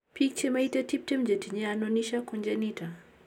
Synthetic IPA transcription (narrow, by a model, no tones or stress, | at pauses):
pik̚t͡ʃɛmaitatip̚tɛmd͡ʒetiɲɛanɔniʃakɔɲd͡ʒanita